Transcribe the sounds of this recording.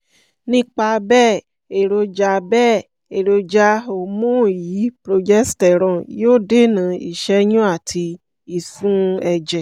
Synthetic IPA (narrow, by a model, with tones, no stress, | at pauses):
nĩ˦k͡pa˧bɛː˦˨ | e˨ɾo˧d͡ʒa˧bɛː˦˨ | e˨ɾo˧d͡ʒa˧o˧˨mũ˦˨ji˨˦pɾo˧d͡ʒɛ˦stɛ˨ɾ̃ɔ̃˨joː˦˨de˦˨nã˨˦ḭ˨ʃɛ˧˦jũ˦a˦˨tʰi˧ | i˨fũ˦ɛ˧d͡ʒɛ˨